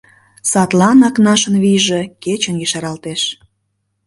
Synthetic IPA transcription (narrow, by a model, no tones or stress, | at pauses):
sɑt̪lɑnɑknɑʃənβiʒeket͡ɕənɡiʃɑɾɑlt̪eʃ